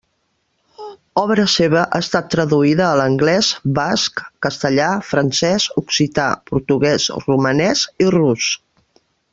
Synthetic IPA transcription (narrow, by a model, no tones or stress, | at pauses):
ɔβɾəseβ̞əʔaːst̪at̪ːɾəðuiðəːləŋɡlɛsbaskːəst̪əʎafɾənsɛzuksit̪a̰puɾt̪uɣɛzrumənɛzirus